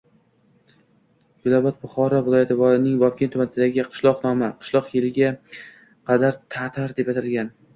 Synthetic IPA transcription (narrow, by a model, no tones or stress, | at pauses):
ɡʊlˠabat̪̚bʊχɒɾɒvɪlˠɒjat̪ʰɪvɒjɪnɪŋvɒfkʲʰɪnt̪ʰʊmanɪd̪aɡʲɪqʰɨ̥ʃlˠɒqnɒmaqʰɨ̥ʃlˠɒqjelɪɡʲa | qʰɑd̪aɾt̪ʰat̪ʰaɾd̪e̞pat̪ʰalɡʲan